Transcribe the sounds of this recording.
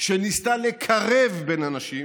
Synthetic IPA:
ʃenist̪alekʰaʁevbenanaʃim

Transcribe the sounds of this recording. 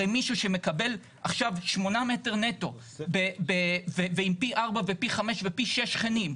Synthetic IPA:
ejmiʃuʃe̞me̞kabe̞l | aχʃavʃmo̞name̞te̞ʁne̞to̞ | bebeveveimpiʔaʁbavepiχame̞ʃvepiʃe̞ʃχenim

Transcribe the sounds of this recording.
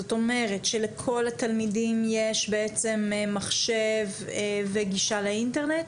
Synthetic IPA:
zoto̞me̞ʁetʃelekʰo̞lat̪almidimjeʃbeet͡se̞mmaχʃe̞veveɡiʃaleinteʁne̞t

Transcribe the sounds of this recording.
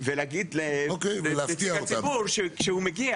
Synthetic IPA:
veleaɡid̪leokejveleafetiaaot̪abuɾʃekʃehumeɡia

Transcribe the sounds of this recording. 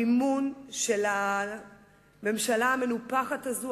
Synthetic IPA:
imunʃe̞la | me̞mʃalaːmenupaχatazu

